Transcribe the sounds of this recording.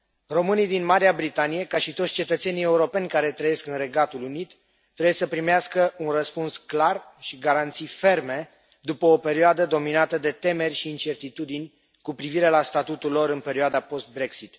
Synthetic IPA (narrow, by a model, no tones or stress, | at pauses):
ro̞mɨnijd̪inmaɾiabɾit̪anije̞kaʃit̪ot̪sʲt͡ʃe̞t̪ət̪se̞nie̞uɾo̞pe̞nʲkaɾe̞t̪ɾəje̞skɨnre̞ɡat̪ulunit̪ː | ɾebujesəpɾimeaskəunrəspunsklarʃiɡaɾant̪sijfe̞rme̞ | d̪upəope̞ɾioad̪əd̪o̞minat̪əd̪e̞t̪e̞me̞rʲʃiːnt͡ʃe̞rt̪it̪ud̪inʲ | kupɾiviɾe̞last̪at̪ut̪ulːo̞ɾɨnpe̞ɾioad̪apo̞st̪̚bɾe̞ksit̪